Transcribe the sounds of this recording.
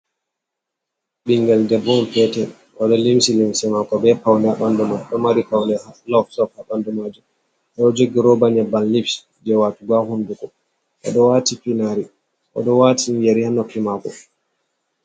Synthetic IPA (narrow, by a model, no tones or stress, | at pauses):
ɓiŋɡɛldɛbɔmpɛtɛ | ʔɔɗɔlimsilimsɛmakɔbɛpawndɛaɗɔndɛmaɗɔmaɾikawndɛhalɔfsɔfhaɗɔndɛmad͡ʒum | ɗɔɔd͡ʒoɡiɾɔbaɲɛbanlifs | d͡ʒɛwatuɡahundukɔ | ʔɔ̰ɗɔwatipinaɾi | ʔɔ̰ɗɔwatijeɾihanɔfimakɔ̰